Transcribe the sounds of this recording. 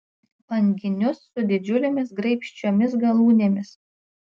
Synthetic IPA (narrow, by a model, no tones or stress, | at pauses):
pɐŋʲɡʲɪnʲʊsːʊd̪ʲɪd͡ʒʲʊlʲemʲɪsɡɾɐɪpʲʃʲt͡ʃʲoːmʲɪsɡɐlˠuːnʲeːmʲɪs